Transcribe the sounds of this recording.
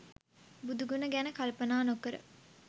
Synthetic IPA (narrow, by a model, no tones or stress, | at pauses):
bud̪uɡunəɡænəkɐlpənaːnokəɾə̰